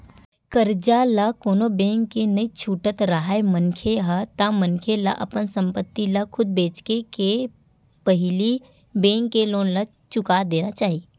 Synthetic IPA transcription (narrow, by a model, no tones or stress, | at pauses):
kəɾd͡ʒalakoːnobẽːŋkːenɐit͡ʃʰuːʈət̪ɾaɦaemənkʰeɦat̪amənkʰela̰ʔɐ̰pənsə̃mpət̪ːilakʰʊd̪̚beːt͡ʃkeke | pəɦɪli | bẽːŋkːeloːnla | t͡ʃʊkad̪eːnat͡ʃaːɦie